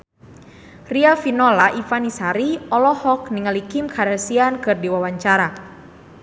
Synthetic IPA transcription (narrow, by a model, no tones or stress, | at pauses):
riafinɔlaʔifanisaɾiɔlɔhɔk̚niŋalikimkʰaɾasiankɨrdiwawaɲt͡ʃaɾa